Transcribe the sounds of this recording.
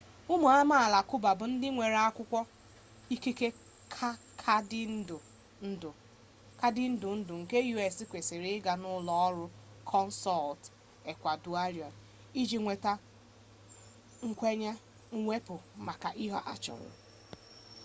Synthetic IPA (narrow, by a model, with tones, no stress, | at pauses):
ʊ˦mʊ˨a˦ma˦a˨la˨kʊ˦ba˨bʊ˨n̩˦dɪ˦ŋʷe˨ɾa˦kʷʊ˦kʷɔ˦ | i˦ki˦ke˦ | kʰa˦ | kʰa˦dɪ˦n̩˦dʊ˨ | n̩˦dʊ˨ | ka˦dɪ˦n̩˦dʊ˨n̩˦dʊ˨ŋ̩˨ke˦ju˦e˨si˦kʷe˨sɪ˨ɾɪ˦ɡa˨nʊ˦lɔ˦ɔ˦ɾʊ˦ | kʰɔ˦n̩˦sɔ˦˨lt | e˨kʷa˨du˨a˦ɾjɔ˨n | i˦d͡ʒi˨ŋʷe˨ta˦ | ŋ̩˦kʷe˦ɲa˦ | ŋ̩˦ŋʷe˦pʊ˨ma˨ka˨ʔi˦ɦɔ˦ʔa̰˦t͡ʃɔ̰˨ŋʷʊ̰˨